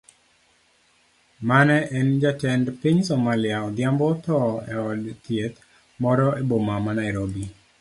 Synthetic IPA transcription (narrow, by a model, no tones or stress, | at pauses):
manɛʔɛnd͡ʒatɛndpiɲsɔmalɪaɔd̪jambɔt̪ɔɛ̰ɔdt̪jet̪ | mɔɾɔebomamanaɪɾobi